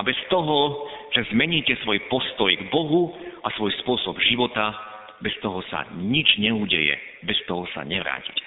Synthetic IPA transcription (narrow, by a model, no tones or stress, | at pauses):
abɛst̪ɔɦɔʒ̥ɛzmɛɲiːcɛsʋɔjpɔst̪ɔjɡbɔɦuasʋɔjspʊɔsɔbʒiʋɔt̪a | bɛst̪ɔɦɔsa̰ɲid͡ʒɲɛuːɟɛjɛ̰ | bɛst̪ɔɦɔsa̰ɲɛʋɾa̰ːcicɛ